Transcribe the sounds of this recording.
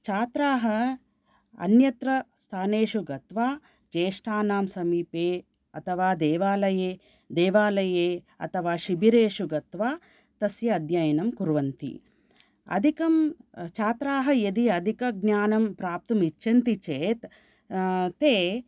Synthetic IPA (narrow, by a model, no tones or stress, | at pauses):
t͡ʃaːt̪ɾaːɦɐ | ɐ̰njɐt̪ɾɐst̪ʰaːneːʃuɡɐt̪ʋaː | d͡ʒeːʂʈʰaːnaːmsɐmiːpeː | ɐt̪ʰɐʋaːd̪eːʋaːlɐjeː | d̪eːʋaːlɐjeː | ɐ̰t̪ʰɐʋaːʃibiɾeːʃuɡɐt̪ʋaː | t̪ɐsjɐːd̪jajɐnɐmkuɾʋɐnt̪ḭ | ɐ̰d̪ʱikɐmt͡ʃaːt̪ɾaːɦɐjɐd̪iɐd̪ʱikɐɡnjaːnɐmpɾaːp̚t̪ɐmit͡ʃːʃɐnt̪it͡ʃeːt̪ | t̪eː